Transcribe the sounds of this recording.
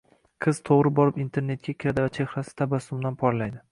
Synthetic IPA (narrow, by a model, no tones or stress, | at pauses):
qʰɨz̥t̪ʰoʁɾɪbɒɾɪpint̪ʰe̞ɾne̞t̪̚kʲakʲʰɪɾad̪ɪvat͡ʃʰe̞hɾasɪ̥t̪ʰabasʊmd̪anpʰɒɾlajd̪ɪ